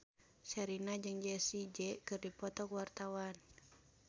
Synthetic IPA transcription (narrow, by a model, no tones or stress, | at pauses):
t͡ʃaɾinad͡ʒɨŋd͡ʒɛsid͡ʒɛkɨrdipɔt̪ɔkwart̪awan